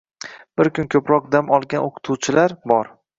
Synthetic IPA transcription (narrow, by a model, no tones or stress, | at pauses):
b̥ɪɾkʲʰʊnkʲʰɵpɾɒq̚d̪amɒlˠɡʲanʔoqʰʊ̥t̪ʰuwt͡ʃʰɪlaɾbɒɾ